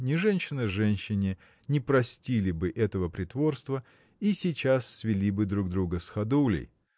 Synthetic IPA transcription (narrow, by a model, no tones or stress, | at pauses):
nʲɪʐɛnʲɕɪnəʐɛnʲɕːɪnʲɪ | nʲɪpɾɐsʲtʲilʲɪbɨʔɛt̪əvəpɾʲɪt̪vo̞rst̪və | isʲɪt͡ɕasːvʲɪlʲibɨd̪ɾuɡ̚d̪ɾuɡəsxɐd̪ulʲɪ̰j